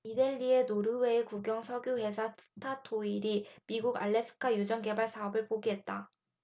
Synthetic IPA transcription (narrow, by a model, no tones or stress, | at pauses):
ideʎːie̞noɾɯwe̞ekuɡjʌŋsʰʌɡjuwe̞sʰasʰɯ̥tʰatʰoiɾimiɡuɡa̰ɭːe̞sʰɯ̥kʰajud͡ʑʌŋke̞baɭsʰaʌbɯɭpoɡiɦe̞t̚t͈a